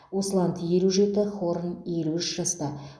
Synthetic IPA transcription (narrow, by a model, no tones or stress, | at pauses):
wo̞səlˠɑnt̪je̞luʒe̞t̪ɪχoɾənje̞luɪʃʒɑst̪ɑ